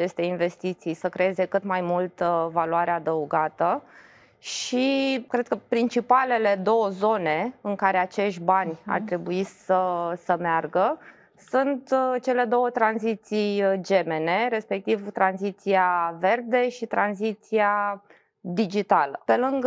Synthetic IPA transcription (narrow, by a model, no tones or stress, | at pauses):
at͡ʃe̞st̪e̞inve̞st̪it̪sijsəkɾe̞eze̞kɨt̪majmult̪valuaɾead̪əuɡat̪ə | ʃikɾe̞d̪̚kəpɾint͡ʃipale̞le̞d̪o̞wəzo̞ne̞ɨŋkaɾe̞at͡ʃe̞ʃt̪ʲbanʲa̰rt̪ɾe̞buisəsəmearɡə | sunt̪t͡ʃe̞le̞d̪o̞wət̪ɾanzit̪sijd͡ʒe̞me̞ne̞ɾe̞spe̞k̚t̪ivt̪ɾanzit̪siave̞rd̪e̞ʃit̪ɾanzit̪sia | d̪id͡ʒit̪alə̰pe̞lɨŋɡ